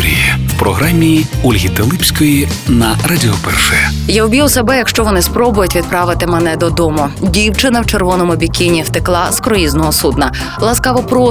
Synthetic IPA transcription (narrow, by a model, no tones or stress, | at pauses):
ɾʲḭjiwpɾɔɦɾamʲiulʲɦʲit̪elˠɪpsʲkɔjinɐɾɐdʲiɔpɛ̰rʃɛjɛjaʊbʲijuwsɐbɛjɐkʃt͡ʃɔʋɔnɪspɾɔbʊjʊtʲʋʲid̪̚pɾɑʋɪt̪ɪmɛnɛd̪ɔd̪ɔmʊdʲiwt͡ʃɪnɐwt͡ʃerʋɔnɔmʊbʲikʲinʲift̪ɪklˠɑskɾɔjiznɔɦɔsud̪nɐ | lˠɐskɑʋɔpɾɔ